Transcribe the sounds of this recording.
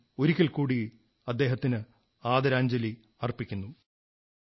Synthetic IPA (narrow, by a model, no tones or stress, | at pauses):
oɾikʲːɐlkuːɽi | ɐd̪ːe̞ːɦɐt̪ːinɨ | aːd̪ɐɾaːɲd͡ʑɐli | ɐrpːikʲːunːu